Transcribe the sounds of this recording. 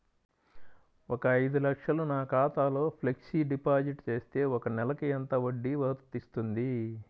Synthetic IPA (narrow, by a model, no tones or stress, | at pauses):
ɔkɐːjd̪ulɐkʂɐlunaːkaːt̪aːlo̞ːpʰleksiɖipaːd͡ʒiʈt͡ʃe̞ːst̪e̞ːɔkɐnɛlɐkiɛnt̪ɐʋoɖːiʋɐt̪ɐt̪ist̪und̪i